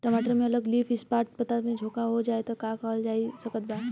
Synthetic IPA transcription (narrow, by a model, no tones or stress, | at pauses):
ʈəmaːʈəɾmẽɐləɡliːfʰɪspaːʈ̚pɐt̪amẽd͡ʒʱoːkaɦod͡ʒaːet̪okakaːld͡ʒaːisɐkət̪̚baːt̪